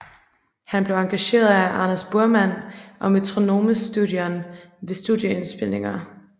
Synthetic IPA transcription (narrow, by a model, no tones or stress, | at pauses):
hænb̥le̝ʊɑ̈ŋɡ̥æɕe̝̰ːɐðˠæʔɑ̈næsb̥uɐmæn̰ʔɒ̽myt͡sʰʁo̝no̝̰ːməsd̥uðˠjɐnʋe̝sd̥uðˠjəensb̥e̝l̰ne̝ŋɐ